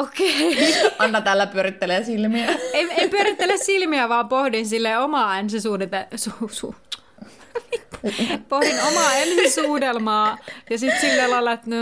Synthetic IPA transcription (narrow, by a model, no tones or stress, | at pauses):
okeʔɑnːɑt̪ælːæpyøɾit̪ːeleːsilmiæeieipyøɾit̪ːelessilmiæʋɑːmpohdinsilːeomɑænsisuːdet̪esusu | pohdinomɑˑensisuːdelmɑːjɑsit̪silːælɑelːɑet̪no